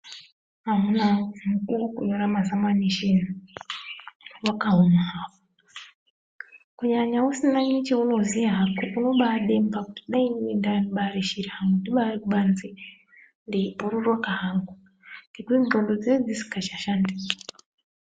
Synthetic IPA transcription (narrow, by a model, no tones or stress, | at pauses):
aɦunamukukuɲoɾamazamaniʃina | wakaɦumaapo | kuɲaɲausinaɲit͡ʃeunozijaɦakoʔunoɓaɗembaku̥tiɗainwindaniɓaɾeʃiɾihaŋɡundiɓaɾekuɓanzi | ndeuɾurwakaɦaŋɡu | ndikiŋɡondod͡zed͡zisi̥kat͡ʃaʃandisḁ